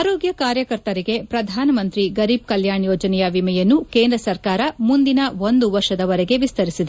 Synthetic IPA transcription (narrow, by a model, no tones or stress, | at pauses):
aːɾoːɡjɐkaːɾjɐkɐɾt̪ɐɾiɡe̞pɾɐd̪ʱaːnɐmɐnt̪ɾiɡɐɾiːb̚kɐljaːɳjɔːd͡ʒɐnɛjɐʋimɛjɐnːukeːnd̪ɾɐsɐɾkaːɾɐmund̪inɐʋond̪uʋɐɾʂɐd̪ɐʋɐɾɛɡe̞ʋist̪ɐɾisid̪e